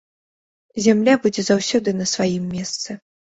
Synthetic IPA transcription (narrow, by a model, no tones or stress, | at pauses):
zʲamlʲabud͡zʲɛzawsʲɔd̪ɨnɐsvajimːʲɛst̪sɨ